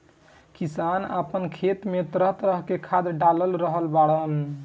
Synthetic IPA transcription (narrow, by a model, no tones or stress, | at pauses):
kisana̰pənkʰet̪met̪ɾəɦt̪ɾəɦkekʰad̪ɖaləlɾəɦəlbaɽən